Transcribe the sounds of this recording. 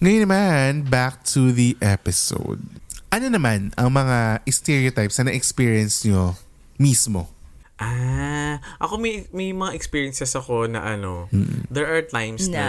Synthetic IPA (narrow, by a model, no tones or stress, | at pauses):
ŋɐjnːɐmanbak̚t̪ʰuðiʔɛpɪso̰wd̪̚ʔɐnonɐmanɐŋmɐŋaʔɪst̪ɛɹiot̪ajpsɐnɐʔɛkspiːɹiɛnsɲo | mismo̞ | ʔa | ʔɐko̞mɐjmɐjmɐŋaʔɛkspiːɹjɛnsɛsɐko̞nɐ̰ʔɐnom̩̰ːd̪ɛɹʔaɹt̪ajms